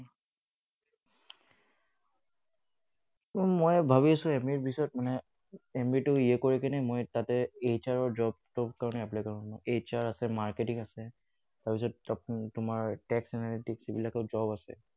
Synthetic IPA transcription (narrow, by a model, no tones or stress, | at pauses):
mojbʱaβiasʊ̃ɛmiɹbisɔjɔt̚manɛ | emitʊiɛkoɹikɛnɛmojtatɛet͡ʃaɹɔɹd͡ʒɔb̚tɔpkaɹɔnɛaplajkaɹɔnʊ̃ejt͡ʃaɹasɛmaɹketiŋasɛ | taɹpisɔtaptʊmaɹtɛksɛnalitiksibilakɔd͡ʒɔbasɛ̰